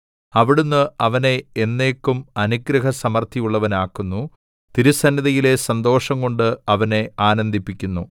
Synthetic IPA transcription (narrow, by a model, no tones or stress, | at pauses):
ɐʋiɽunːɨɐʋɐne̞enːe̞ːkːumɐnuɡɾɐɦɐsɐmɐrt̪ʰijuɭːɐʋɐnaːkːunːu | t̪iɾusɐnjɐðɐjile̞sɐnd̪o̞ːʂɐŋko̞ɳɖɨɐʋɐne̞aːnɐnd̪ʱipːikʲːunːu